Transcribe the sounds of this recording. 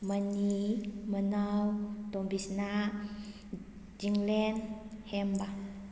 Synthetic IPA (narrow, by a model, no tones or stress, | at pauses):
manimanawt̪ɔmbisna | d͡ʒiŋlɛnhɛmba